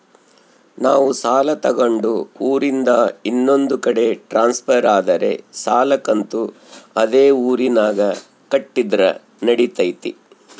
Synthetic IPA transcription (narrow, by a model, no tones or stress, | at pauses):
naːʋusaːlɐt̪ɐɡɐɳɖuuːɾind̪ɐinːo̞nd̪ukɐɽe̞ʈɾaːnspʰɐɾaːd̪ɐɾe̞̰saːlɐkɐnt̪u | ɐd̪eːuːɾinaːɡɐ | kɐʈːid̪ɾɐ̰ | nɐɽit̪ɐjt̪ḭ